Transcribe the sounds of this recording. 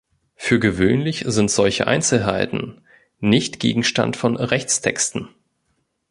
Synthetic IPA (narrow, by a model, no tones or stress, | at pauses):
fyːɐɡəvøːnlɪçz̥ɪntz̥ɔlçəʔa̰ɪnt͡sl̩ɦaɪtn̩ | nɪçtɡ̥ḛːɡŋ̩ʃta̰ntfɔnʁɛçt͡stʰɛkstn̩